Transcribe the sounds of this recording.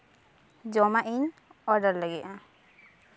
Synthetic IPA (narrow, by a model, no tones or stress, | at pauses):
d͡ʒɔmaʔiɲɔɾɖəɾləɡɛʔã